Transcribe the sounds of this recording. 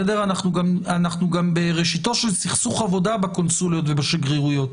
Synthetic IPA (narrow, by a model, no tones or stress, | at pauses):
ed̪eʁanaχnuɡamanaχnuɡambeʁeʃit̪o̞ʃelsiχsuχavo̞d̪abako̞nsuljot̪vebaʃaɡʁiʁujo̞t̪